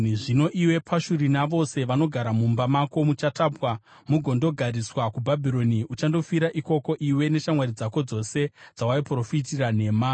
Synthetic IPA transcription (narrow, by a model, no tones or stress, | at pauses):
ʐino̞ʔiwe̞pʰaʃuɾinaʋo̞se̞ʋano̞ɡʱaɾamumbamako̞mut͡ʃataːpwa | muɡʱo̞ndo̞ɡʱaɾiswakubʱabʱiɾo̞niut͡ʃando̞fiɾaʔiko̞ko̞ʔiwe̞ne̞ʃamwaɾid͡zako̞d͡zo̞se̞d͡zawaipro̞fitirane̞ːma